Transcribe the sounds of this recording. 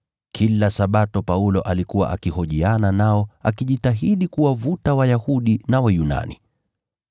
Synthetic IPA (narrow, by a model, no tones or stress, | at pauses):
kʰilasaɓatɔpaulɔʔalikuwa̰ʔakihɔʄiananaɔa̰kiʄitaɦiɗikuwavutawajahuɗinawajuna̰nḭ